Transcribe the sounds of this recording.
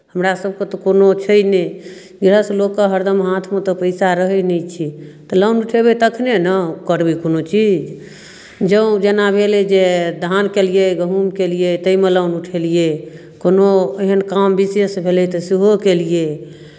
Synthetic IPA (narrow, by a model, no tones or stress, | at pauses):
ɦəmɾasəb̚ʱket̪ɔkonot͡ʃʰəjne | ɡiɾəsə̃lokːeɦəɾd̪əmɦat̪ʰmet̪ɔpəɪsaɾəɦəjnɛt͡ʃʰit̪ələwnuʈʰebet̪əkʰnenəkəɾbikonot͡ʃid͡ʒ | d͡ʒəũd͡ʒenabʱelɛd͡ʒed̪ʱankelijeɡəɦumkelijet̪əimeləʊnuʈʰelije | konoeɦənkambisjəsbʱelɛt̪əsiɦokelije